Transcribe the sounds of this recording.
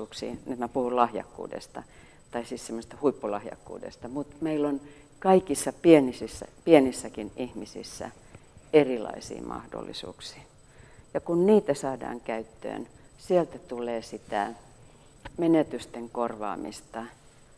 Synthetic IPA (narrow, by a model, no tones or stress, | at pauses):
uːksḭːnet̪mæpuhullɑhjɑ̰kːṵːdḛst̪ɑ̰ | t̪ɑisiːssemːose̥s̆t̪ɑhuipːulɑhjɑ̰kːṵːdḛst̪ɑmut̪meilon | kɑikisːɑpienisisːæ̰pienisːækinihmisḭsːæ̰ | erilɑ̰isḭːmʔɑ̰hdo̰lːḭsṵːksi̥ː | jɑkunniːt̪æsɑːdɑ̰ːŋkæyt̪ːø̰ːnsielt̪æt̪ulˑeːsit̪æ̰ˑ | menet̪yst̪eŋkorʋɑ̰ːmḭst̪ɑ